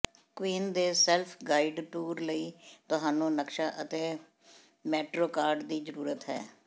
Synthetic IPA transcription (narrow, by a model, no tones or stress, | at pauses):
kwiːnd̪eːsɛːlpʰɡaːiɖʈuːɾləiːt̪ʊɦaːnũːnəkʃaːʔət̪eː | mɛːʈɾoːkaːɾɖd̪iːzəɾuːɾət̪ɦɛ̰ː